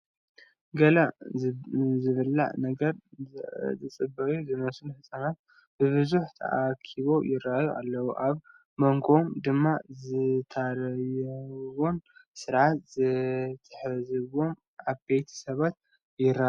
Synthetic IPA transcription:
ɡɐla | zɨβɨlːa̰ʕnɐɡɐɾ | zɨt͡sʼɨbːɐɾuzɨmɐsunħɨsʼanat̪̚ | bɨβɨzuħt̪ʰɐ̰ʔakʰiβo̞jɪɾajuʔalːɐwuʔaβ | mɐŋɡomd̪ɨmːazɨt̪ʰaɾɐjwonsɨɾʕat̪zɨt̪ʰɨ̥ħzɨβo̞m | ʔaβbejt̪ʰi̥sɐβat̪̚ | jɪɾːa

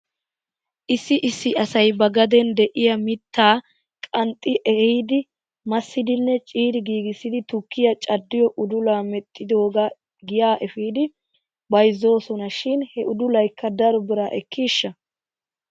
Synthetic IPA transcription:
ʔɪsːɪʔɪsːɪʔɐsɐjbɐɡɐd̪ɛnd̪ɛʔɪjɐmɪt̪ʰːaː | kʼɐnt̪ʼːɪʔɛhiːd̪ɪ | mɐsːɪd̪ɪnːɛt͡ʃʼiːɾɪɡiːɡɪsːɪd̪ɪt̪ʊkːɪjɐt͡ʃʼɐd̪ːɪjɔʔʊd̪ʊlaːmɛt̪ʼːɪd̪oːɡɐ | ɡɪjaːʔɛfiːd̪ɪ | bɐjzːo̞ːsɔnɐʃɪnhɛʔʊd̪ʊlɐjkːɐd̪ɐɾɔbɪɾaːʔɛkːiːʃːɐ

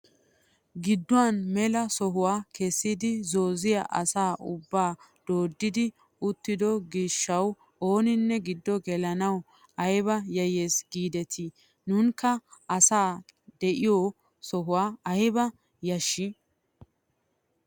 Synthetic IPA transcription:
ɡɪd̪ːʊwanmɛlɐsɔɦʊwaːkɛsːɪd̪ɪzo̞ːzɪjɐʔɐsaːʔʊbːaːd̪̥o̞ːd̪ːɪd̪ɪ | ʊt̪ːɪd̪ɔɡiːʃːɐw | o̞ːnɪnːɛɡɪd̪ːɔɡɛlɐnɐw | ɐjβɐjɐjeːsɡiːd̪ɛt̪ʰi | nʊŋkɐɐsaːd̪ɛʔɪjɔː | sɔɦʊwaːɐjbɐ | jɐʃːɪ

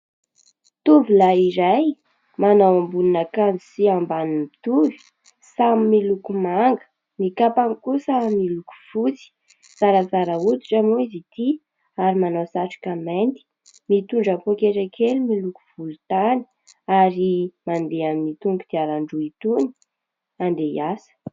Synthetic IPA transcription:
t̪uvilaiɾaj | manawambuninakanzi̥siambanimbit̪uvi̥ | samimilukumaŋɡə̥ | mikapaŋkusamiluku̥fut͡si̥ | z̥aɾazaɾəut̪i̥ʈ͡ʂamuizit̪i | aɾimanawsaʈ͡ʂu̥kamant̪i̥ | mit̪uɳɖ͡ʐapokeʈ͡ʂakʰelumiluku̥v̥ulut̪ani̥ | aɾimand̪eaminit̪uŋɡud̪̥iaɾaɳɖ͡ʐuit̪uni̥ | and̪ejasə̥

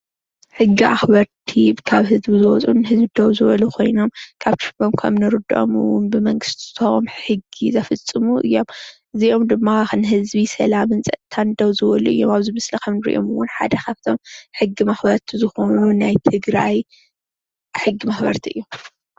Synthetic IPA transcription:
ħɨɡːiʔa̰xbɐɾt̪ʰikʰaβɦɨzbizɨwɔt͡sʼunɦɨzbid̪ɐwzɨβɐlukʰo̞jno̞mkʰaβt͡ʃɨbomkʰɐ̰mnɨɾɨd̪o̰mɨ̰wʊ̰nbɨmɐŋɡɨst̪ʰt̪ʰmħɨɡizɐfɨt͡sʼːɨmuʔɨ̰jːo̞mʔɨzio̞md̪ɨmːaxɨnɦɨzbisɐlamɨnt͡sʼɐt̪ʰːand̪ɐwzɨwɐluʔɨ̰jːo̞maβzɨmɐslɐkʰɐmnɨɾḭʔo̰mɨwʊnħa̰d̪ɐkʰaβt̪ʰo̞mħɨɡːimaxbɐɾt̪ʰizɨxonunajt̪ʰɨɡɾaj | ħɨɡːimaxbɐ̰ɾt̪ʰiʔɨ̰jːom

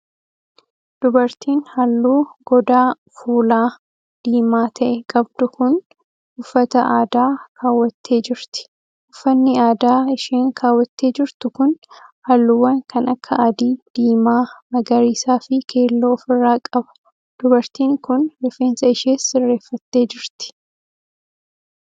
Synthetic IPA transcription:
d̪̥ʊbɐɾt̪ʰiːnhɐlːuːɡɔd̪aː | fuːlaː | d̪̥iːmaːt̪ʰɐʔɛkʼɐb̚d̪ʊkʊn | ʊfːɐt̪ɐʔaːd̪aːkʰaːwːɐt̪ːe̞ːd͡ʒɪɾt̪ɪ̥ | ʊfːɐnːɪaːd̪aːɪʃeːŋkʰaːwːɐt̪ːe̞ːd͡ʒɪɾt̪ʊkʊnhɐlːʊwːɐnkɐnɐkʰːɐɐd̪iːd̪̥iːmaːmɐɡɐɾiːsaːfɪkʰeːlːoːfɪrːaːkʼɐbɐ̥ | d̪̥ʊbɐɾt̪iːŋkʊnlɛfːeːnsɐɪʃeːsːɪrːe̞ːfːɐt̪ːe̞ːd͡ʒɪɾt̪ɪ̥

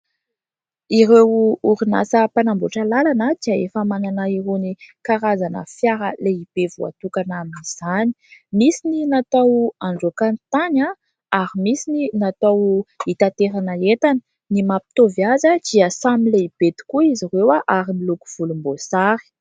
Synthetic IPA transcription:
iɾewuɾina̰səpanamboʈ͡ʂəlalanəd̪̥iəefəmananaiɾonikaɾazanə̰fjaɾəleib̥evua̰t̪ukanaminiz̥ani̥misininat̪awaɳɖ͡ʐokant̪aɲa | aɾimisininat̪awit̪at̪eɾanəet̪ani̥ | nimapi̥t̪ovjazəd̪̥iəsamileib̥et̪i̥kuizirewaʔaɾiniluku̥v̥ulumbosaɾi̥

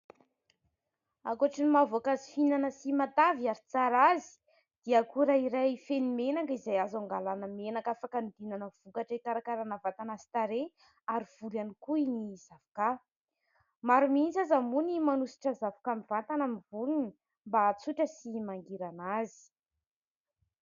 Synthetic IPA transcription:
akuaʈ͡ʂinimavoakazi̥finanəsimat̪avaɾit͡saɾazi̥ | d̪̥iakuɾaiɾajfenimenakizajazaŋɡalanəmenakafakand̪inanəv̥ukaʈ͡ʂəikaɾakaɾanavat̪anazi̥t̪aɾe | aɾiv̥ulanikuiniz̥avuka | maɾumint͡sazamunimanusi̥ʈ͡ʂəzavkamivant̪anamivuluni | mbat͡suʈ͡ʂəsimaŋɡiɾanazi̥

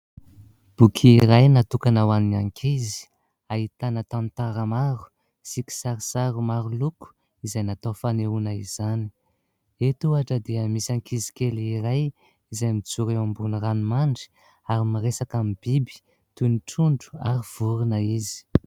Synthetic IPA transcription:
b̥ukʰːɾajnat̪ukanawaninaŋkʰizi̥ | aɦit̪anət̪amt̪aɾəmaɾu̥ | siki̥saɾisaɾumaɾuluku̥ | izajnat̪ofaneunaizani̥ | et̪uaʈ͡ʂəd̪eəmisaŋkʰizi̥keliɾaj | izajmit͡suɾeambunranimaɳɖ͡ʐi̥ | aɾimaɾesakamib̥ibi̥ | t̪uniʈ͡ʂuɳɖ͡ʐu̥a̰ɾiv̥uɾunəizi̥

